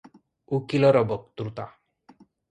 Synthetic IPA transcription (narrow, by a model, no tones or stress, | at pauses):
ukilɔɾɔbɔk̚t̪ɾut̪a